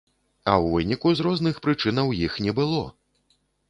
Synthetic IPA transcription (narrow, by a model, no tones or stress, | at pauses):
ɐwvɨnʲikuzɾɔznɨxpɾɨt͡ʂɨnɐwjixnʲɛbɨlˠɔ